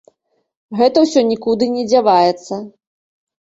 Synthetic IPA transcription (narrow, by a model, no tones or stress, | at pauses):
ɣɛt̪ɐwsʲɔnʲikud̪ɨnʲɛd͡zʲavajɛt̪sːɐ